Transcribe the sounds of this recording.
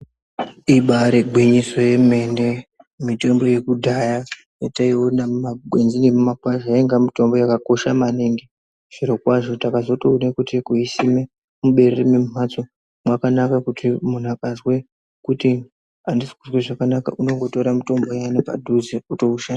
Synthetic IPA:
iɓaɾeɡʱwiɲiso̞je̞me̞nde̞ | mite̞mbo̞je̞kudʱaja | jetaiwonamaɡʱwe̞nzinimumakwaʒaeŋɡamito̞mbo̞jakako̞ʃamaniŋɡi | ʐ̥iɾokwaʐo̞takazo̞tounekutikuisime | muɓe̞rerememm̤at͡so | mwakanakakutimun̤uakazwe | kuti | andisi̥kuzweʐakanaka̰ʔuno̞ŋɡo̞to̞ɾamito̞mbo̞janapa̰dʱuziuto̞uʃana

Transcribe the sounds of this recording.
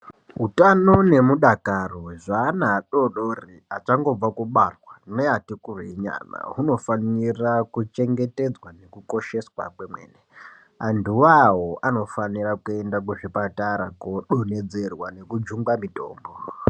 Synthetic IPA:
ɦutano̞ne̞muɗakaroʐaːnaɗoɗoriat͡ʃaŋɡo̞b͡vakuɓarwaneatikureɲa̰na̰ɦuno̞fanirakut͡ʃe̞ŋɡe̞te̞d͡zwane̞kuko̞ʃe̞swa̰kwemwḛːne | anduwaɦoʔano̞fanirakue̞ndak̬uʐipataɾakoɗone̞d͡ze̞rwane̞kud͡ʒuŋɡamito̞̰ːmbo

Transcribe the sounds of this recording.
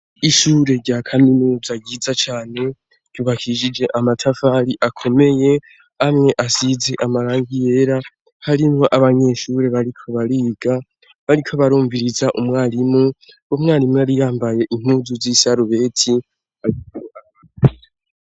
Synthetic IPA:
iʃuːɾe̞ɾɟakʰaminuːzaɟiːzat͡ʃaːne̞ | ɟ̥uβakʰiʒid͡ʒe̞ʔamatʰafaːɾiʔakʰo̞me̞je̞ | amŋe̞ʔasize̞ʔamaɾaːŋɡije̞ɾa | haɾimoʔaβaɲe̞ːʃuːɾe̞βaɾikʰo̞βaɾiːɡ̥a | βaɾikʰo̞βaɾuːɱviɾizaʔumŋaːlimu | womŋaːlimjaɾijaːmbaje̞ʔim̥uːzuzisiaɾuβe̞ːtʰi | haɾikuaa

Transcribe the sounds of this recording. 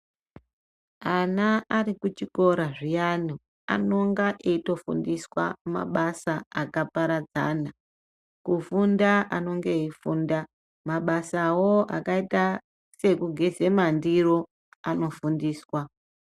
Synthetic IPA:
anaːɾikut͡ʃiko̞ɾaʐijanu | a̰no̞ŋɡaʔeito̞fṵndiswa̰ma̰ɓasaakapaɾad͡za̰na | kufundaano̞ŋɡeifunda | maɓasawoa̰kaita | se̞kuɡʱe̞ze̞mandiro̞ | ano̞fundiːswa

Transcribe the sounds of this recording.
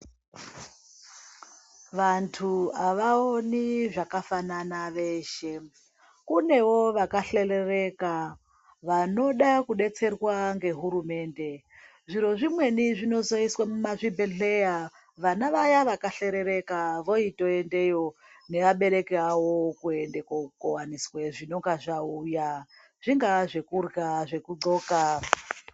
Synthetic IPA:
ʋantʰuaʋaoniʐakafananaʋe̞ʃe̞ | kune̞wo̞ʋakaɬe̞rereka | ʋano̞ɗakuɗe̞t͡se̞rwaŋɡe̞ɦuɾume̞ːnde̞ | ʐiɾo̞ʐimwe̞niʐino̞zo̞iswamumaʐibʱeɮe̞ja | ʋanaʋajaʋakaɬe̞ɾe̞ɾe̞kaʋo̞ito̞e̞nde̞jo̞ | ne̞ʋaɓe̞ɾe̞kiawo̞kue̞ndekokowaniswe̞ʐino̞ŋɡaʐauja | ʐ̥iŋɡaʐe̞kurɡaʐe̞kud͡zo̞ːka

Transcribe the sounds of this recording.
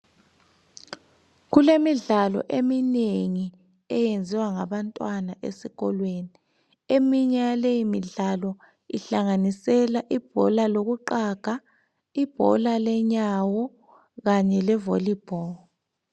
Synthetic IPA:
ɣulemiɮalɔ̰ʔemineŋi | ɛjend͡zʱiwaŋaβantʼwanaʔḛsiɣɔlweni | emiɲalejimiɮalɔ | iɬaŋanisɛlaʔib̥ʱɔ̰laloɣuǃaɡ̥ʱa | ib̥ʱɔ̰lalɛɲawɔ | ɣaɲɛlɛvolib̥ʱɔː

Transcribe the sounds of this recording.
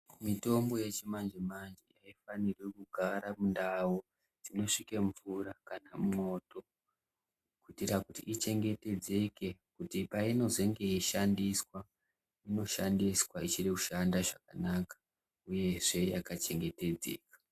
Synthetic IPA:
mito̞mbo̞je̞t͡ʃimand͡ʒemand͡ʒejaifanirwekuɡʱaɾamundawo | d͡zino̞ʂikeɱvuɾakanamumo̞to̞ | kutirakutḭʔːt͡ʃe̞ŋɡe̞te̞d͡ze̞ke̞kutipaino̞ze̞ŋɡe̞iʃandiswa | ino̞ʃandiswait͡ʃireku̥ʃandaʐakanakḁ | uje̞ʐe̞jakat͡ʃe̞ŋɡe̞te̞d͡ze̞̰ːkḁ

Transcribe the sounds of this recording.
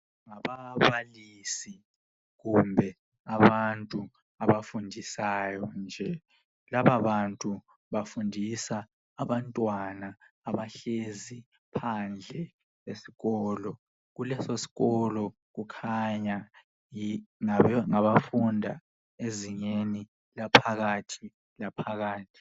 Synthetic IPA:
ŋaβaβalisi | ɣumbʱɛ | aβantʼu | aβafundʱisajɔnd͡ʒʱɛ | laβaβantʼu | βafundʱisaː | βantʼwanaː | βaɬezi | pʰand͡ɮʱɛ | esi̥ɣɔːlɔ | ɣulɛsosi̥ɣɔlɔ | ɣukʰaɲa | iaŋaβafundʱa | eziɲeni | lapʰaɣatʰi | lapʰaɣaːtʰi̥

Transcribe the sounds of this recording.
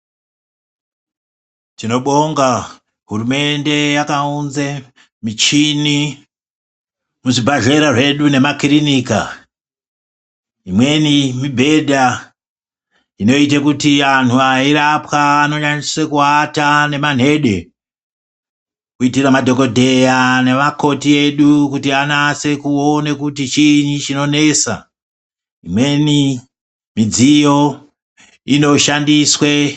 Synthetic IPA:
tino̞ɓo̞ŋɡa | ɦuɾume̞nde̞jakaunze | mit͡ʃini | muʐibʱaʒe̞ɾaʐe̞ɗune̞makrinika̰ | imwe̞nimibʱe̞dʱa | ino̞it̬akutian̤uaiɾapwaːno̞ɲaniswekuatane̞man̤e̞ɗe̞ | kuitiramadʱo̞ko̞dʱe̞jane̞mako̞tie̞ɗukutianase̞kuonekutit͡ʃinit͡ʃino̞ne̞sa̰ | imwe̞ni | mid͡zijo̞ | ino̞ʃandiswe

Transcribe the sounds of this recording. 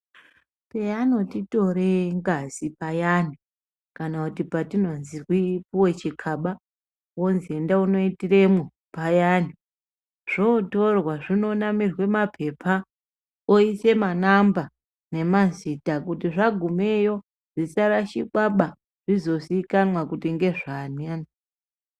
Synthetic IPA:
peano̞tito̞ɾeŋɡazipajani | kanakutipatino̞nziwipuwe̞t͡ʃikʰaɓa | wonziendauno̞itiremu | pajani | ʐ̥oto̞rwaʐino̞namirwe̞mapʰe̞pʰa | oise̞manamba | ne̞mazitakutiʐaɡʱume̞jo̞ | ʐ̥isaɾaʃiɓaɓa | ʐ̥izo̞sikanwakutiŋɡe̞ʐaniani

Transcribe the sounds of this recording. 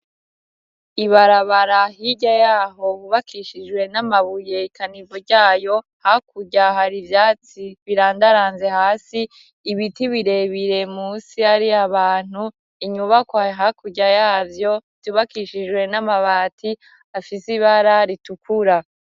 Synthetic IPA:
iβaɾaβaɾaɦiɟajaːɦo̞βuβakʰiʃid͡ʒwe̞namaβuje̞ikʰanivoɾɟaːjo̞ | hakuɟaɦaɾivjaːt͡siβiɾaːndaɾaːnze̞haːsiː | βitiβiɾe̞βiɾe̞muːsiaɾiaβaːn̥u | iɲuβakwaɦakuɟajaːvjo̞ | tuβakiʃid͡ʒwe̞namaβaːtʰi | afisiβaɾaɾitukuɾa

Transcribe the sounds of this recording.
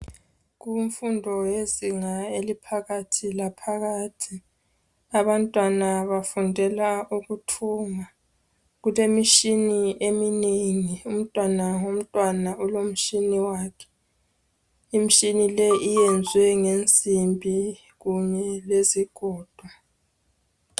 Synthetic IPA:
ɣuɱfundʱɔjeziŋaelipʰaɣatʰilapʰaɣaːtʰi | aβantʼwanaβafundʱɛlauɣutʰuːma | ɣulemiʃiniʔemineŋium̩tʼwanaom̩tʼwanaulom̩ʃiniwaːkʰɛ̥ | im̩ʃinilɛijɛnd͡zʱwɛŋend͡zʼʱimbʱi | ɣuɲɛleziɡ̥ʱɔːd̥ʱwa

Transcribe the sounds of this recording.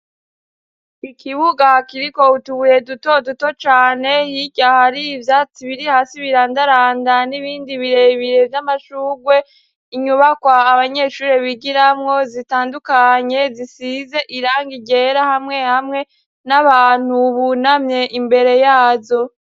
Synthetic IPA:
ikʰiβuɡakiɾiko̞utuβuje̞duto̞duto̞t͡ʃaːne̞hiɟahaɾivjat͡siβiɾihasiβiɾaːndaɾaːndaniβiːndiβiɾe̞βiɾe̞vjamaʃuːɡwe̞ | iɲuβakwaːβaɲe̞ːʃuːɾeβiɡiɾamŋo̞zitaːndukaɲe̞zisize̞ʔiɾaːŋɡiɟe̞ɾahamŋe̞hamŋe̞ | naβaːn̥huβunamɲe̞ʔimbe̞ɾe̞jaːzo̞

